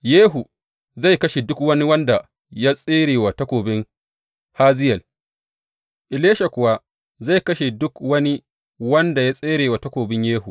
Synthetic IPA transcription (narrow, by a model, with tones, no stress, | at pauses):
jeː˦ɦu˨ | za˦˨jkɐ˦ʃe˨dʊ˦kwɐ˦ni˦wɐ˦nda˨ | ja˦sʼeː˦ɾeː˨wa˨tɐ˦kʷoː˨bɪ˦ŋ | haː˦zɪ˦jɐ˨l | ʔɪ˨leː˦ʃa˨kʷʊ˨wa˦ | za˦˨jkɐ˦ʃe˨dʊ˦kwɐ˦ni˦ | wɐ˦nda˨ja˦sʼeː˦ɾeː˨wa˨tɐ˦kʷoː˨bɪ˦ɲjeː˦hu˨